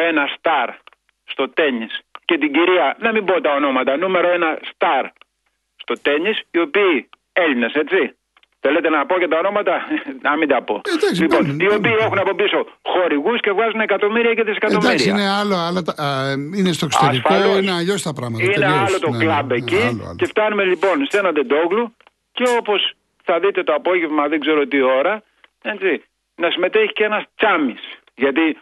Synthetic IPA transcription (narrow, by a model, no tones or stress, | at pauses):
enɐst̪ɐɾ | st̪o̞t̪e̞nisce̞t̪̬iɟiɾiɐnɐmimbot̪ɐo̞no̞mɐt̪ɐnume̞ɾo̞e̞nɐst̪ɐɾ | st̪ot̪e̞ɲisio̞piː | e̞ʎine̞se̞tt͡si | θe̞le̞t̪e̞nɐpo̞cet̪ɐo̞no̞mɐt̪ɐnɐmind̪ɐpo̞̰d̪aksliponio̞piːe̞xunɐpo̞piso̞xo̞ɾiɣusce̞vɣɐzunekɐt̪o̞miɾiɐceðisekɐt̪o̞d̪iɾiɐneɐloɐlɐt̪ɐinest̪okseɾisfɐoloinɐʎosi̥t̪ɐpɾɐɣmɐt̪ineɐlo̞t̪o̞klɐbe̞cice̞ft̪ɐnume̞lipo̞nst̪e̞nɐnd̪e̞d̪o̞ɣlu | ceo̞po̞s | θɐðit̪e̞t̪oɐpo̞ʝe̞vmɐðeɡze̞ɾot̪io̞ɾɐ | e̞t͡si | nɐsime̞t̪eçi̥cenɐst͡sɐmis | ʝɐt̪i